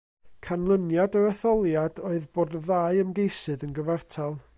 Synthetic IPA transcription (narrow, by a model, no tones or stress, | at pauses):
kʰanlˠənjadəɾəθɔlˠjadoːɨðboːdðaːɨəmɡejsɨðənɡəvartʰalˠ